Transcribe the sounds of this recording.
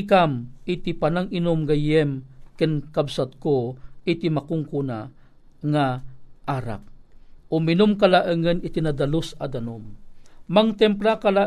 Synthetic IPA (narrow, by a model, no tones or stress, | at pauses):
kamʔit̪ipanaŋɪnʊmɡajɛmkənkabsat̪̚koɪt̪imakʊŋkuna | ŋaʔaɾa̰k̚ʊmɪnʊmkalaʔəŋənɪt̪inad̪alosad̪anʊmmaŋt̪ɛmplakala